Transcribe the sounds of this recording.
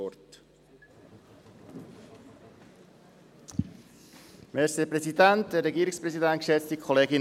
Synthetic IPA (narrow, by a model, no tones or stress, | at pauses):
ɔt | mɛɾsepɾɛsidæntd̥əɾːɛɡiːɾɪkspɾɛsidæntkʃɛt͡stikʰɔleːɡɪn